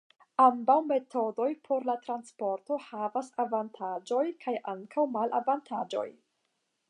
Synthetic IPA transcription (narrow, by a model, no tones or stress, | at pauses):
ambawme̞tʰo̞do̞jpʰo̞ɾlatɾanspo̞ɾto̞havasavantʰad͡ʒo̞jkʰajʔaŋkʰawmalʔa̰vantʰad͡ʒo̞̰j